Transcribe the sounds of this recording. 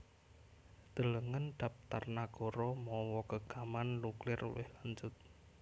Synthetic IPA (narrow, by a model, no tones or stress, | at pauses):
d̪̥ələŋənd̪̥a̤p̚t̪a̰rnaɡ̥ɔɾɔmɔwɔkəɡ̥amannuklɪrṵwɪ̰hlaɲd͡ʒʊt̪̚